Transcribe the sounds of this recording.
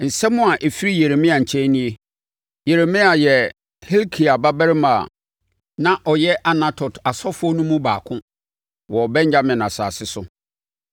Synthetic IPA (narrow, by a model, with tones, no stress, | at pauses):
n̩˨sɛ˦mʊ̃˦a˨ʔe˨fi˦ɾi˦je˨ɾe˨mɪ̃˦a˨ɲ̩˨t͡ɕʰɛ̃˦nĩ˦e˦ | je˨ɾe˨mɪ̃˦a˨jɛ˨ | he˦lkʰi˨a˨ba˦bɛ˦ɾɪ˦mã̰˨ | nã˦ʔɔ˨jɛ˦ʔa˨nã˦tʰɔ˨ta˨sɔ˦fʊ˦ɔ˦nũ˦mũ˦baː˨kʰʊ̃˦ | wɔ˨bɛ̃˦ɲd͡ʑa˦mɪ̃˨nã˨sa̰˨sɪ˦sʊ˦